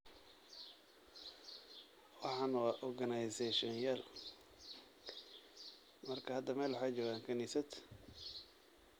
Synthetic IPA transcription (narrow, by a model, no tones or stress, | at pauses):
wɑħɑːnɐwɑːʔɔrɡɐnajsɛʃɔnjal | mɐrkʰɐhɐd̪ːɐmɛːlwɑħɑjt͡ʃɔːɣaːŋkʰɐniːsɐd̪